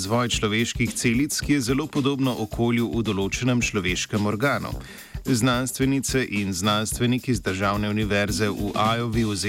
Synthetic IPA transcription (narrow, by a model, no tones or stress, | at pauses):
zʋɔːjt͡ʃlɔʋeːʃkixt̪seːlit̪skijɛzɛloːpɔd̪oːbnɔʔɔkʰoːljuʔud̪ɔloːt͡ʃɛnɛmt͡ʃlɔʋeːʃkɛmɔɾɡaːnṵ | znanst̪ʋɛnit̪sɛʔinznanst̪ʋɛnikizd̪əɾʒaːwnɛuniʋɛɾzɛʔuʔaːjɔʋiuz